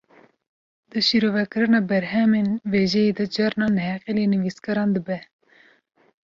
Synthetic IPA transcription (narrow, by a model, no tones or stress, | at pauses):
d̪̥ɨʃiɾoːvɛkɨɾɨnɑːbɛɾɦɛmeːnveːʒɛjed̪ɐd͡ʒɑɾnɑːnɦɛqeleːnɨviːskɐɾɑːnd̪əbɛ